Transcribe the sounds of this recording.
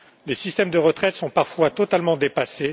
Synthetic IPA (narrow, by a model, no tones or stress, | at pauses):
lesist̪ɛmd̪əʁət̪χɛt̪sɔ̃paʁfwat̪ɔt̪almɑ̃d̪epase